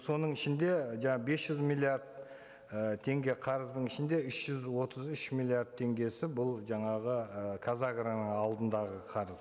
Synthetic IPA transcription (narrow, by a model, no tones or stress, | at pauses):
so̞nəɴɪʃɪnd̪e̞ʒɑɴɑbe̞sʒ̥ʏzmilʲˠiaɾd̪̚ | ət̪ʰe̞ŋɡʲe̞qʰɑɾəzd̪əɴɪʃɪnd̪e̞ʏʃʒ̥ʏzwo̞t̪ʰəzʏʃmilˠjiard̪̚t̪ʰe̞ŋɡʲe̞sɪbʊlˠʒɑɴɑʁəkʰazaɡɾanəɴɑlˠd̪ənd̪ɑʁəqʰɑɾəz